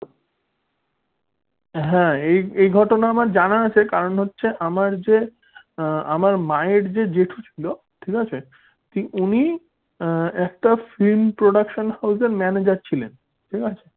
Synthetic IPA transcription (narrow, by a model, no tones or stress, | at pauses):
ɦɛ̃ejejɡʱɔʈonaamaɾd͡ʑanaat͡ɕʰekaɾonɦotːɕʰeʔamaɾd͡ʑe | amaɾmaeɾd͡ʑed͡ʑeʈʰut͡ɕʰilo | ʈʰikat͡ɕʰe | t̪iuni | ɛkʈafilmpɾoɖakʃonhawseɾmɛned͡ʑaɾt͡ɕʰilen | ʈʰikat͡ɕʰe̥